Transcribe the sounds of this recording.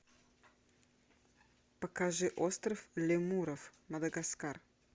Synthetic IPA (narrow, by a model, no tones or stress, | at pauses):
pəkaʐɨʔost̪ɾəflʲɪmuɾəfmɐd̪ɐɡaskar